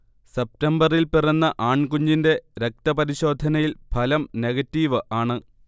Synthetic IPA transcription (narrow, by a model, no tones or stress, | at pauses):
sep̚tɐmbɐrilpirɐnːɐʔaːɳkuɲːinde̞ɾek̚t̪ɐpɐɾiɕo̞ːd̪ʱɐnɐjilpʰɐlɐmne̞ɣɐtːiːʋɨʔaːɳɨ